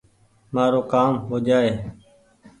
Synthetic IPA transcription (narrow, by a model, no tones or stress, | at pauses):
maːɾoːkaːmɦoːd͡ʒaːeː